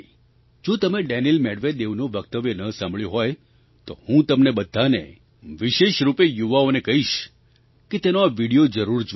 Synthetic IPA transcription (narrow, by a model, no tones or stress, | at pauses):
d͡ʒot̪əmeɖɛnilmɛɽʋed̪eʋnoʋəkt̪əʋjənəsãmbɭjoɦɔj | t̪ohũt̪əmnebəd̪ʱːane | ʋiʃeʃɾupejuʋaonekəɦiʃ | ket̪enoaʋiɽijod͡ʒəɾuɾd͡ʒ